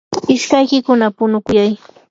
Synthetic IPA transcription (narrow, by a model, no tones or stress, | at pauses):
ɪʃkajkɪkʊnapʊnʊkʊjaj